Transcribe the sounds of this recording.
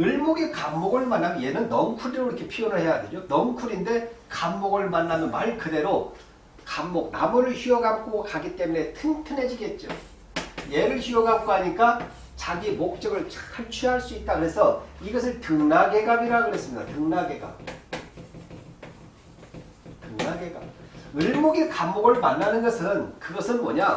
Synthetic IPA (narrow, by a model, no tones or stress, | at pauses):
ɯɭmoɡikamːoɡɯɭmanːamje̞nɯnːʌmkʰuɾiɾoɾikʰe̞pʰijonɯɭhe̞jaded͡ʑonʌnkʰuɾinde̞kamːoɡɯɭmanːamɯnmaɭkɯde̞ɾo | kamːok̚namuɾɯɭɕiʌɡap̚k͈okaɡit͈e̞mune̞tʰɯntʰɯne̞d͡ʑiɡe̞t̚t͡ɕ͈o̰ | je̞ɾɯɭçiʌɡap̚k͈oɦaɲik͈a | t͡ɕaɡimok̚t͡ɕ͈ʌɡɯɭt͡ɕʰkʰaɭt͡ɕʰuɦaɭs͈uit̚t͈akɯɾe̞sʰʌiɡʌs̬ʰɯɭtɯŋnaɡe̞ɡabiɾakɯɾe̞s͈ɯmɲid̥a̰tɯŋnaɡe̞ɡa̰p̚ | tɯŋnaɡe̞ɡa̰p̚ɯɭmoɡikamːoɡɯɭmanːanɯnɡʌsʰɯnkɯɡʌsʰɯnmʌɲa